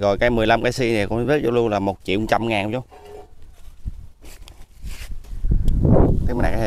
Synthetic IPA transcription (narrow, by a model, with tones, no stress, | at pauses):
ɣɔ˨˩jkaː˨˦jmɨ˨˩əjla˧mkaː˨˦si˧nɛ˨˩kʊ̰˧˥zə˦˥t̚t͡ɕɔ˧˩lu˧ənlaː˨˩mo˨˩t̚t͡ɕḭ˧˨˦wŋ͡mt͡ɕa˧mŋaː˨˩nt͡ɕɔ˧˦ŋ͡m | t̪ma˨˩˨a̰ː˨˩aː˧˩˧